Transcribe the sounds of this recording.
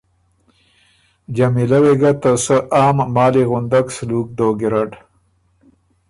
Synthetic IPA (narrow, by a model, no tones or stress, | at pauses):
d͡ʒamilaweɡat̪əsəʔaːmːɑːliɣund̪aksluk̚d̪oːɡiɾaʈ